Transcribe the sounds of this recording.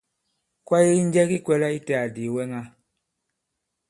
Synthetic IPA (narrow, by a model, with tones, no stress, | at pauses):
kwa˦ji˦i˦n˦d͡ʒɛ˦ki˦kwɛ˨la˦i˦tɛ˨a˨di˨wɛ˦ŋa˦